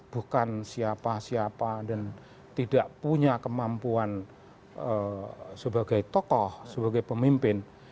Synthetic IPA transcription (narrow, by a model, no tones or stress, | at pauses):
b̥ukansiapasiapadan | t̪idaʔpuɲakəmampuan | əsəbaɡajt̪ɔkɔhsəbaɡajpəmimpɪn